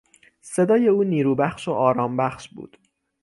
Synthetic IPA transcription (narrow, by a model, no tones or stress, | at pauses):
se̞d̪ɒːje̞uːniːɾuːbæxʃoʔɒːɾɒːmbæxʃbṵːd̪̥